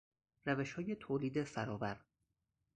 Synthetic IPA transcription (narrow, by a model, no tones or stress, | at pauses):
ræveʃhɒːjet̪ʰoːliːd̪efæɾɒːvæɾ